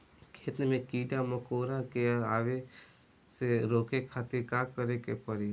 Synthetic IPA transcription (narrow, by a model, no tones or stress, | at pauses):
kʰeːt̪nemẽkiːɖaməkoːɾakeaːʋe | seɾoːkekʰaːt̪ɪɾkaːkəɾekepəɾi